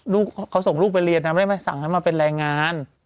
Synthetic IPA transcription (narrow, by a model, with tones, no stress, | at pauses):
luː˥˩kkʰːa˦˥wso˨˩˦ŋluː˥˩k̚pa˧jɾi˧ənːa˦˥mː˧˦˥ma˥˩sa̰˨˩˦ŋka˥˩maː˧pe˧nɾaː˧jŋaː˧n